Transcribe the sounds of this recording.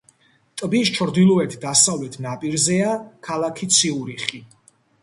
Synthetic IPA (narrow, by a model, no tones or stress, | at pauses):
t̪ʼbist͡ʃʰɾd̪ilˠɔɛt̪ʰd̪asavlɛt̪ʰnapʼiɾzɛakʰalˠakʰit̪sʰiuɾiχi